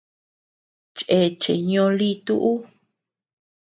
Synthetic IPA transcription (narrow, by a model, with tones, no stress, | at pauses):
t͡ʃʔe˨t͡ʃḛ˨ɲõ˧li˦t̪u˦ʔu˦